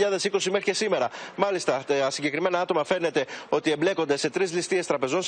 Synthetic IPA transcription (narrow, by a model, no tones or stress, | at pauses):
ʎɐðe̞siko̞sime̞xɾicesime̞ɾɐmɐlist̪ɐsiɲɟe̞kɾime̞nɐɐt̪o̞mɐfe̞ne̞t̪e̞o̞t̪ie̞mble̞ko̞nd̪e̞se̞t̪ɾizlist̪ie̞st̪ɾɐpe̞zo̞n